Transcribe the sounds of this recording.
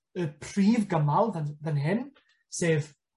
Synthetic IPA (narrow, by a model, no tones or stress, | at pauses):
əpʰriːvɡəmalˠðənðənɦɪn | seːv